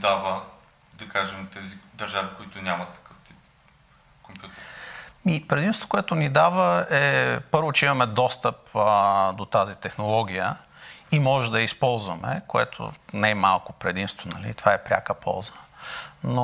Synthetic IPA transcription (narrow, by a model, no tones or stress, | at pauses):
d̪avə | d̪ɐkaʒɛmt̪ɛzid̪ɐɾʒavikoit̪ʊnʲamɐt̪ːɐ̥kɤft̪ip̚ | kompʲjut̪ɛɾmipɾɛd̪ĩnst̪o̥koʊɛt̪ʊnid̪avəɛpɤɾvot͡ʃɛimɐmɛd̪ɔst̪əpd̪ot̪azit̪ɛxnolˠɔɡʲijə | imɔʒɛd̪ɐispɔlˠzvəmɛ̰koɛ̰t̪ʰo̰nɛmalˠkʊpɾɛd̪imst̪vonɐ̰lḭt̪ovaɛpɾʲa̰kəpʰɔ̰lˠzə̥no